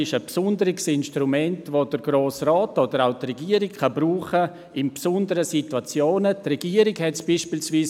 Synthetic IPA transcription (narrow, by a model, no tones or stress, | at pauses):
ɪʃəpsʊndəɾɪksɪnʃtɾumɛntvod̥əɾɡ̥ɾoːsraːtod̥əɾaʊtrɛɡiːəɾɪkkɑbɾuːχə | ɪnpsʊndəɾəsituat͡sjoːnətrɛɡiəɾɪɡhɛtsb̥iːʃpiːlsviːs